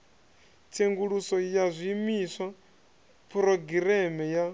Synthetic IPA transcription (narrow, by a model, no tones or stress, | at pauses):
t͡sʰeŋɡuɺusɔjazʷiːmisʷa | pʰɾɔɡiɾɛmɛja